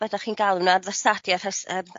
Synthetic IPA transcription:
vədaχiːnɡalˠunaðəsadjarasəːm

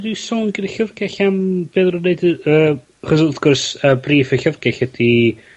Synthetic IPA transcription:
disɔːnɡɪdəɬəvɡɛɬamb̥eːðrʊneɨdəː | aχɔsθɡ̥ʊrsəbriːfəɬəvɡɛɬədi

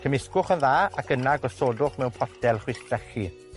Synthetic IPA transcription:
kʰəmɪskʊχənðaːakənaɡɔsoːdʊχmɛwnpʰɔdʰɛlˠχwɪstrɛɬi

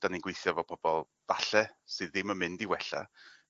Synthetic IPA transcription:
d̥aninɡwejθjɔvɔpʰɔb̥ɔlˠ | vaɬɛsɨðːɪməmɪndiwɛɬa̰

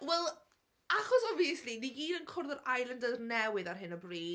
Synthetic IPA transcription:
wɛlˠ | aχɔsɔviəsliniiːnənkʰʊrðɔɾajlˠəndəðnɛwɪðarɦɪnəbriː

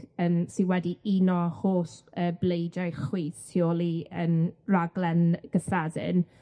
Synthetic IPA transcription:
ənsiwɛdiʔinɔhoːsəːblejdajχwiːθtʰioːlˠiənraɡlˠɛnɡ̥əθadɪ̰n

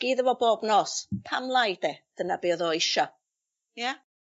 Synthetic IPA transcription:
ɡ̥iːðəvɔboːbnɔːspʰamlˠajd̥ɛd̥ənabiːɔðɔɪʃɔ | ja

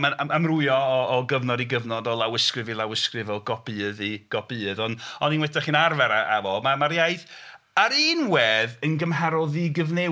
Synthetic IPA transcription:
maaamrʊjɔɔːɡəvnɔdiɡəvnɔdɔlˠawɪskrɨvilˠawɪskrɨvɔlˠɡ̥ɔbɨðiɡ̥ɔbɨːəðɔnɔninwɛtaχinarvɛɾaa̰vɔmamaɾjajθ | aɾiːnwɛːðənɡəmɦɛɾɔlˠðiɡəvne

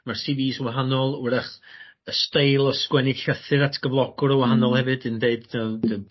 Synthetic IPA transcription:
marsiviːswaɦanɔlˠɪɾaχəstejlˠɔskwɛnɪɡ̥ɬəθɨðatʰɡ̥əvlˠɔɡ̥ʊɾɔwahanɔlˠhɛvɨdɨndeɨdədə

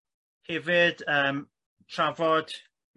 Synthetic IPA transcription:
hɛvɨd̥əːm | tʰravɔd̥

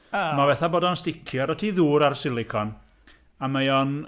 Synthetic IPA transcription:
mavɛθaboːdɔnstɪkʰjɔaɾɔtʰiðuːɾarsɪlˠɪkʰɔn | amajɔn

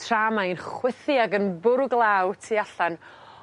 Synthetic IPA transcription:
tʰr̥aːmaɨnχwɪθiaɡənbʊrɡlˠaːwtʰiːaɬan

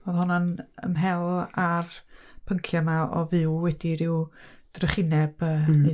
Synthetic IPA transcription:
voðhɔnanə̰mɦɛlˠarpʰəŋkʰjamaɔ̰vɨwwɛdiɾɪwd̥rəχɪnɛb̥əː

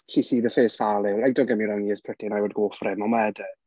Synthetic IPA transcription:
ɬisiːðəfeːsfalɪwɛɡ̚dɔɡəmɪɾaniːəspʰrətinajwɔdɡoːfrɪmɔmɛdə

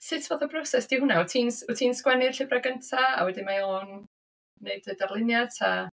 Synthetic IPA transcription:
sɪtʰvoːðəbrɔsɛsd̥iːhʊnaɔtʰiːnsɔtʰiːnskwɛnɪr̥ɬɪbraɡəntʰaa̰wɛdɪnmajonː | eɨdədarlˠɪnjadʰa

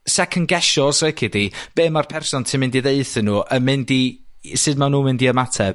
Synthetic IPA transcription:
sɛkʰənɡɛʃɔsekʰɪdib̥eːmarpʰɛrsɔntʰɪmɪndiðeɨθənuːʔəmɪndisɨdmanuːmɪndiəmatʰɛ

